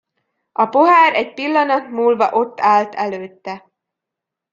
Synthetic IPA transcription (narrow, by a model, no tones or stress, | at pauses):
ɒpo̞ɦaːɾɛɟpilːɒnɒt̪muːlvɒʔo̞t̪ːaːlt̪ɛløːt̪ːɛ